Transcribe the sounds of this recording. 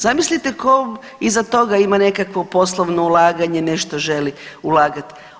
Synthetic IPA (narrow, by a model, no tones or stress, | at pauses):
zamislit̪eko | izat̪o̞ɡaimane̞kakʋo̞po̞slˠoʋnoulˠaːɡaɲeneʃt̪oʒe̞liulˠaːɡat̪